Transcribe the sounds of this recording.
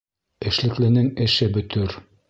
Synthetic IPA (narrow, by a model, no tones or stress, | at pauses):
ɘ̆ʃlɘ̆klɘ̆nɘŋɘ̆ʃɘbɵ̆t̪ɵɾ